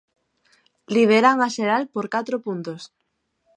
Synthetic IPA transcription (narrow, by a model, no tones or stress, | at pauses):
liβ̞eɾaŋaʃeɾalpoɾkat̪ɾopunt̪os